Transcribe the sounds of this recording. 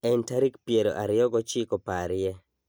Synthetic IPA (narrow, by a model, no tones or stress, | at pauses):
ɛntaɾikpjeɾo̰ʔaɾɪjɔɡɔt͡ʃikopaɾɪjɛ